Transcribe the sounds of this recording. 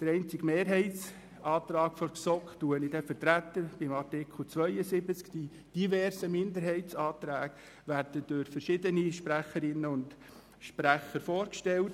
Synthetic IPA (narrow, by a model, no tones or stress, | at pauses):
d̥̪əɾɛɪnt͡sɪɡmeːɾɦɛɪtt͡s | ʔɑːt̪ɾɑːkfɔɾksɔktuənid̥ɛfəɾtɾæt̪əɾb̥ɪmɑrtɪkʰl̩t͡sʋœʏəsɪbət͡skd̥i | d̥ivɛrsəmɪndəɾɦɛɪtsɑːt̪ɾæːɡ̥ | ʋærd̥əd̥ʊɾfəɾʃɪdəniʃpɾæχəɾɪnːəʊnd | ʃpɾæχəɾfoːɾkʃtɛlt